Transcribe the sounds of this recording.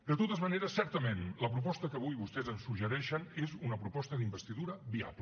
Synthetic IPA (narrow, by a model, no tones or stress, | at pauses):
d̪ət̪ot̪əzməneɾəsːɛɾt̪əmenləpɾupɔst̪əkəβ̞ujβust̪ɛzənsuʒəɾɛʃənezunəpɾupɔst̪əðimbəst̪iðuɾəbia̰plə